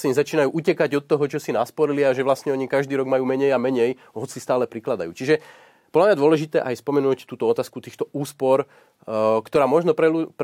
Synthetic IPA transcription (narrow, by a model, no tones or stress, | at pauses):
ɛɲzat͡ʃiːnajuːʔucɛkaɟɔt̪ːɔɦɔt͡ʃɔsinaspɔɾiliaʒɛʋlascɲɛɔɲikaʒd̪iːɾɔɡmajuːmɛɲɛjamɛɲɛj | ɦɔt͡sist̪aːlɛpɾiklad̪a̰jṵːt͡ʃiʒɛ | pɔd̪lamɲad̪ʊɔlɛʒit̪ɛ̰ːʔajspɔmɛnuːct̪uːt̪ɔɔt̪aːskut̪iːxt̪ɔuːspɔɾ | kt̪ɔɾaːmɔʒnɔpɾɛup